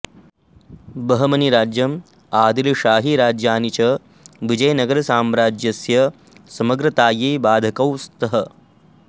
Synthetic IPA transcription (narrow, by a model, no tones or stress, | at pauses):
bɐɦɐmɐniɾaːd͡ʒjɐm | aːd̪iluʃaːɦiɾaːd͡ʒjaːnit͡ʃɐ | ʋid͡ʒɐjɐnɐɡɐɾɐsaːmɾaːd͡ʒjɐsjɐ | sɐmɐɡɾɐt̪aːjeːbaːd̪ʱɐkɐwst̪ʰɐɦɐ